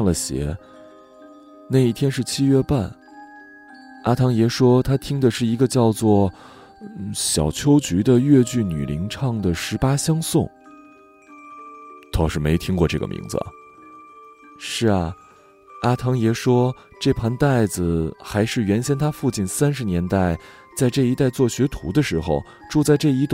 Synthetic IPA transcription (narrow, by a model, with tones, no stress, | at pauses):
ŋlə˩ɕjɛ̰˧˥ | na˥˧ɪi˥˩t̪ʰjɛ˥nʂɻ̩˥˩t͡ɕʰi˥ɥɛ˥pa˥˩n | a˥t̪ʰɑ˧˥ŋjɛ˧˥ʂwɔ˥t̪ʰa˥t̪ʰi˥ŋd̪ə˨ʂɻ̩˥˩i˧˥ɡə˧t͡ɕjɑ˥˧ʊt͡swɔ˥˩˥ | ɕjɑ˨˩ʊt͡ɕʰjo˥ʊt͡ɕy˧˥d̪ə˧ɥɛ˥˧t͡ɕy˥˩ny̰˨˩lḭ˧˥ŋʈ͡ʂʰɑ˥˩ŋd̪ə˩ʂɻ̩˧˥pa˥ɕjɑ˥ŋsʊ˥˩ŋ | t̪ʰo˨˥˩ʊʂɻ̩˥me˧˥ɪt̪ʰi˥ŋkwɔ˥˧ʈ͡ʂɤ˥˩ɡə̰˩mʔḭ˧˥ŋd͡z̩̰˩ɐ̰˩ | ʂɻ̩˥˩ɐ˩ | a˥t̪ʰɑ˧˥ŋjɛ˧˥ʂwɔ˥ | ʈ͡ʂɤ˥˩pʰɑ˧˥nt̪a˥˩ɪd͡zɹ̩˨˩xa˧˥ɪʂɻ̩˥˩ɥɛ˧˥nɕjɛ˥nt̪ʰa˥fu˥˧t͡ɕi˥˩nsa˥nʂɻ̩˧njɛ˧˥nt̪a˥˩ɪ | t͡sa˥˧ɪʈ͡ʂɤ˥˩i˧˥t̪a˥˧ɪt͡swɔ˥˩ɕɥɛ˧˥t̪ʰṵ˧˥d̪ə˧ʂɻ̩˧˥xo̰˧ʊ | ʈ͡ʂu˥˧t͡sa˥˧ɪʈ͡ʂɤ˥˩i˧˥t̪